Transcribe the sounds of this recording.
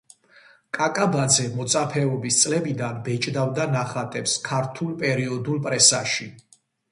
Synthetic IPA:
kʼakʼabad̪zɛmɔt̪sʼapʰɛɔbist̪sʼlɛbid̪anbɛt͡ʃʼd̪avd̪anaχat̪ʼɛpskʰaɾt̪ʰulˠpʼɛɾiɔd̪ulˠpʼɾɛsaʃi

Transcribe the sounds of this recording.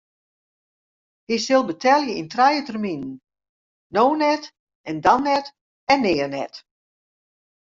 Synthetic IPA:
hisɪlˠbətʰɛlˠjəintrɛjətərminən̩ | noːnɛt | ɛndanːɛt | ɛnːɪːərnɛ̰t

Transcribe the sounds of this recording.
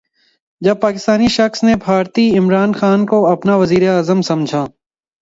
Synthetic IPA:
d͡ʒɐb̚paːkɪst̪aːniʃɐxsnebʱaːɾt̪iɪmɾaːnxaːnkoɐpnaʋɐziːɾeaːzəmsɐ̃md͡ʒʱaː

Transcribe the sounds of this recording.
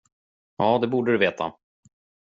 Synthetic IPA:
jɑːd̪ɛbuːɖəd̪ɵveːt̪ʰa̰

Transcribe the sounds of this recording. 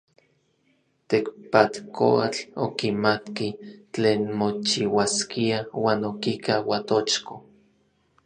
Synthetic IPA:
t̪ekpat̪ko̰at͡ɬokimat̪kit͡ɬeːnmot͡ʃiwaskiawaːnokikawat̪ot͡ʃko

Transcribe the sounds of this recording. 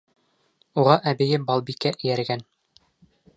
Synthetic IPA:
uʁɑʔæbɘ̆jɘbɑlˠbikːæʔɘ̆jæɾɡæn

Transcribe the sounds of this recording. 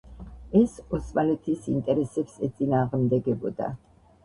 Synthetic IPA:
ɛsɔsmalɛt̪ʰisint̪ʼɛɾɛsɛpsɛt̪sʼinaːʁmd̪ɛɡɛbɔ̰d̪a̰

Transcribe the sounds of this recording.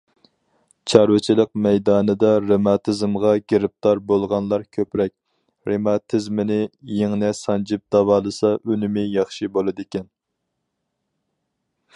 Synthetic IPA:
t͡ʃʰɑɾwɪt͡ʃʰilˠəqmɛjd̪ɑːnɨd̪ɑɾemɑt̪ʰɪzɨmʁɑɡʲeɾɪp̚t̪ɑɾbolˠʁɑnlˠɑɾkʲʰøpɾɛk̚ʲ | ɾemɑt̪ʰɪzmɪnɪjeŋnɛsɑnd͡ʒɪp̚d̪̥ɑvɑːlˠɨsɑʔynɪmɪjɑχʃibolˠɨd̪ɪkʲɛn

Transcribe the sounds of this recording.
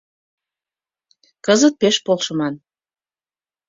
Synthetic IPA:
kəzət̪̚peʃpolʃə̆mɑn

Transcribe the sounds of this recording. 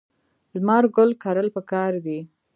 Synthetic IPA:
lmɑɾɡʊlkɑɾəlpəkɑɾd̪i

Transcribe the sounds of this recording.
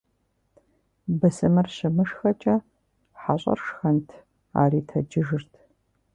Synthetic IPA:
bɐsɨmɨrɕɪmɨʂxɐt͡ʃʼɐ | ħaɕʼɐ̰rʂxɐntʰ | a̰ːriːtʰɐd͡ʒɪʒɨrtʰ

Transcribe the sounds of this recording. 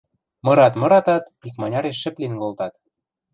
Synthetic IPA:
mɤ̆ɾɑt̪mɤ̆ɾɑt̪ɑt̪ | ikmɑnʲɑɾeʃːɘ̆plinkolt̪ɑt̪

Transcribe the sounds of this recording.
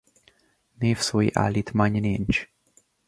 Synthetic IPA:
nifswiʔa̰lit̪ʰmaɲnind͡ʒ

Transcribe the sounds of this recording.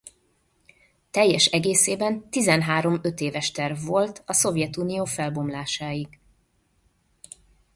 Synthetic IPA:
t̪ɛjːɛʃɛɡeːseːbɛnt̪izɛnɦaːɾo̞mø̞t̪eːvɛʃt̪ɛrvːo̞lt̪ɒso̞vjɛt̪uːnijoːfɛlbo̞mlaːʃaːjiɡ

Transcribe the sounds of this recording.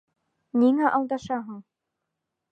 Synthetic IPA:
niŋæʔɑlˠd̪ɑʃɑɦɤ̆ɴ

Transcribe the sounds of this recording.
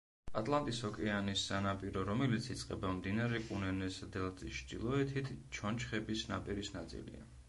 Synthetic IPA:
at̪ʼlˠant̪ʼishɔkʼɛanisːanapʼiɾɔɾɔmɛlit̪sʰit̪sʼqʼɛ̰bamd̪inaɾɛkʼunɛnɛsd̪ɛlˠʼit͡ʃʰd̪ilˠɔɛt̪ʰit̪ʰt͡ʃʰɔnt͡ʃʰχɛbisna̰pʼiɾisnat̪sʼḭlḭa̰

